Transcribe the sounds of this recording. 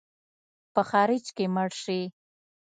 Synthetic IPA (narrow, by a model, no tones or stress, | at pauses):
pəxɑɾɪd͡ʒkeməɽʃi